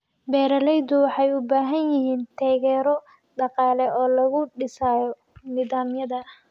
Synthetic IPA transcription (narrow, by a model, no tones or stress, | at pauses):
bɛːɾɐlɛjd̪ʊwɑħɑjʊbaːɦɐnjɪɦiːnt̪ʰaːɣɛːɾɔ | ɖɑqɑːlɛɔːlɐɣʊɖɪsaːjɔ | niːðaːmjɐðɐ